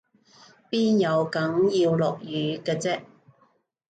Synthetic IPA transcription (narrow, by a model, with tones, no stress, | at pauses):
piː˥njɐ˨˧wkɐ˨˥ŋjiː˧wlɔː˨k̚jyː˨˧kɛː˧t͡sɛː˥ʔ